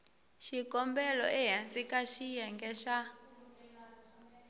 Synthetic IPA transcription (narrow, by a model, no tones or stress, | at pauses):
ʃikʼɔmbɛlɔ̰ʔɛɦand͡zikʼaʃijɛŋɡɛʃa